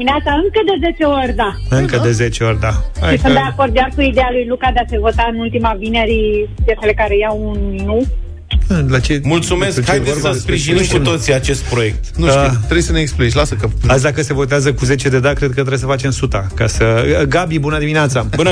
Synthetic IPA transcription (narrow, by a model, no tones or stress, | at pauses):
mineat̪saɨŋkəd̪e̞zet͡ʃeoɾʲd̪aɨŋkəd̪e̞ze̞t͡ʃeo̞ɾʲd̪aʃaʃisund̪e̞ako̞rd̪̚kʲarkuid̪ejalujlukad̪ease̞vo̞t̪aɨnult̪imavine̞ɾijeselekaɾejawunminu | əlat͡ʃemult̪sumeskt͡ʃeeaspɾiʒinit̪kut̪o̞t̪siat͡ʃe̞st̪̚pɾo̞je̞k̚t̪nuʃt̪it̪ɾejsəneeksplit͡ʃlasəkəasd̪akəse̞vo̞t̪eazəkuze̞t͡ʃed̪e̞d̪akɾed̪̚kət̪ɾesəfat͡ʃe̞msut̪akasəɡabibunəd̪imineat̪sabun